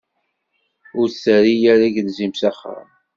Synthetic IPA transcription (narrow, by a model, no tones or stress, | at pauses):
ʊɾsəɾijæɾiʝənzimsaχːə̰